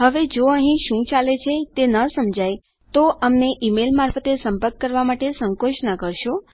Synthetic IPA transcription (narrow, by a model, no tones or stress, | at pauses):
ɦəʋed͡ʒoəɦĩʃũt͡ʃalet͡ʃʰet̪enəsəmd͡ʒʱaj | t̪oʔəmneʔimelmaɾfət̪esəmpəɾkːəɾʋamaʈesəŋkoʃnakəɾʃo